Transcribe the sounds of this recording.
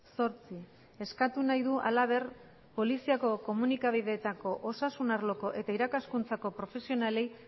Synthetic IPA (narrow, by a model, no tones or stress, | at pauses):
so̞ɾt͡si | e̞skat̪unajðuʔa̰laβ̞e̞r | po̞lisiako̞ko̞munikaβ̞iðe̞ːt̪ako̞ʔosasunaɾlo̞ko̞ʔe̞t̪aiɾakaskunt͡sako̞pɾo̞fe̞sio̞nale̞j